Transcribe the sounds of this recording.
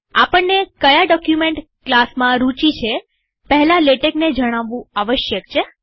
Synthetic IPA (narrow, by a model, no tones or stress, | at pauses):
apəɳnekəjaɖɔkjumeɳʈ | klasmãɾut͡ʃit͡ʃʰe | pɛɦlaleʈekned͡ʒəɽ̃aʋːũaʋəʃjəkt͡ʃʰe